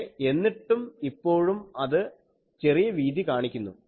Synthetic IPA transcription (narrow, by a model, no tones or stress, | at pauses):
e̞nːiʈːumipːo̞ːɻumɐðɨ | t͡ɕe̞rijɐʋiːd̪ikaːɳikʲːunːṵ